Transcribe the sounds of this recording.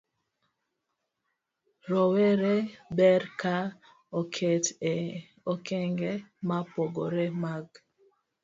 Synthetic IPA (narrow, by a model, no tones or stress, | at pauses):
ɾoweɾebɛɾkʰa | okʰetɛ | okɛŋɡɛmapoɡoɾemaɡ